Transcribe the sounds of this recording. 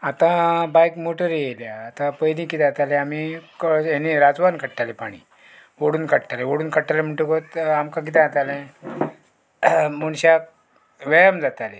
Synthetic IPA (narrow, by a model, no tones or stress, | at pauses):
at̪ãbajkmoʈəɾjeljaːt̪ãpəjd̪ĩkit̪at̪alɛamikjaniɾad͡zʋankəɽʈalɛpaɽ̃ḭː | ʋəɽuːnkəʈʈalɛʋəɽuːnkəɽʈalɛm̤əɳʈukot̪amkãk̬it̪ɛ̃at̪alɛ̃ | muɽ̃ɕak̚ | ʋəjamd͡zat̪ale